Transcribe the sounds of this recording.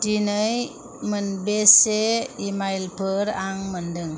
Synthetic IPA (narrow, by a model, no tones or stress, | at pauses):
tinəj | mənbeseimajlpʰəɾaŋməndɯŋ